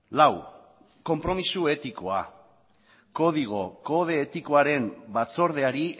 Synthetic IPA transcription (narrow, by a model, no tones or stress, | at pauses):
law | ko̞mpɾo̞misue̞t̪ikoa̰ | ko̞ð̞iɣ̞o̞ko̞ð̞e̞ːt̪iko̞aɾe̞mbat͡so̞ɾð̞e̞aɾi